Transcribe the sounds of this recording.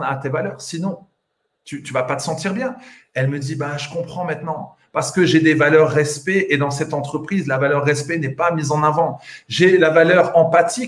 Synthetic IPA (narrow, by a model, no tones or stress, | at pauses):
at̪evalœːʁsinɔ̃ | t̪yt̪yvapat̪ə̥sɑ̃t̪iʁbjɛ̃ | ɛlməd̪ibaʒəkɔ̃pχɑ̃mɛ̃t̪nɑ̃ | paʁsə̥kəʒed̪evalœʁːɛspeʔed̪ɑ̃sɛt̪ɑ̃t̪χəpχizlavalœʁːɛspenɛpamizɑ̃navɑ̃ʒelavalœʁɑ̃pat̪i